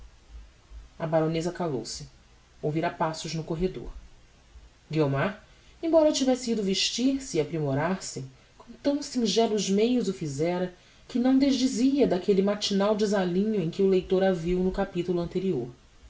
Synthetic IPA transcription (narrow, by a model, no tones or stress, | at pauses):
ɐbaɾõnezɐkalo̰wsɪ | owviɾapasʊʒnʊkoɦed̪o̰ɾ | ɡiomaɾ | ẽbɔɾɐt͡ʃivɛsɪid̪ʊveʃt͡ʃiɾsɪːapɾimoɾaɾsɪ | kõw̃t̪ɐ̃w̃sĩʒɛlˠʊʒmejʊzʊfizɛɾɐ | kɪnɐ̃w̃d̪eʒd͡ʒiziɐd̪akelɪmat͡ʃinawd͡ʒɪzalĩɲʊẽkɪʊlejt̪oɾaviwnʊkapit̪ulʊɐ̃nt̪eɾioɾ